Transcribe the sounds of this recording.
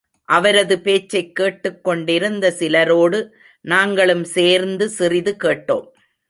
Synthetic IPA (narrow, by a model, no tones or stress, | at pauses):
ʔɐʋɐɾɐðɯpeːt͡ʃːɐɪkːeːʈːɯkːɔɳɖɪɾɯnd̪ɐsɪlɐɾoːɽɯ | naːŋɡɐɭɯmseːɾnd̪ɯsɪrɪðɯkeːʈːo̰ːm